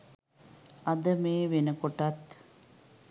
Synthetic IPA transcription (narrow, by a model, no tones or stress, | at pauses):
ɐd̪əmeːʋenəkoʈɐt̪